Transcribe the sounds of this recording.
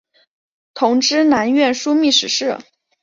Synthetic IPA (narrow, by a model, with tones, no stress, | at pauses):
t̪ʰʊ˧˥ŋʈ͡ʂɻ̩˥na˧˥nɥɛ˥˩nʂu˥mi˥˩ʂɻ̩˧˥ʂɻ̩˥˩